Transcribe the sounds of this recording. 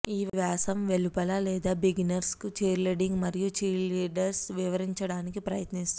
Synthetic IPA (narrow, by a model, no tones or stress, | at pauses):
iːʋʋjaːsɐmʋe̞lupɐlɐlɛːd̪aːbiɡinɐɾskut͡ʃeːɾleɖiŋɡmɐɾijut͡ʃiːliːɖɐɾsʋiʋɐɾiɲt͡ʃɐɽaːnikipɾɐjɐt̪nist̪u